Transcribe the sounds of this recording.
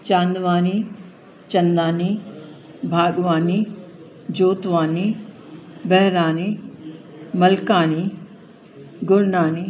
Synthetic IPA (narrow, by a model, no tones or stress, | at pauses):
t͡ʃãːnd̪ʋaːni | t͡ʃɐnd̪aːni | bʱaːɡʋaːni | d͡ʒoːt̪ʋaːni | bɛɦɾaːni | mɐlkaːni | ɡʊɽnaːni